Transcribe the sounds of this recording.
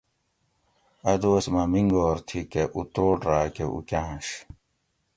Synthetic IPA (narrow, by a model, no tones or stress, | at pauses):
ɐd̪uɐsmɐmiŋɡoːɾt̪ʰikeʔut̪oːʈɾaːkeʔṵkãːɕ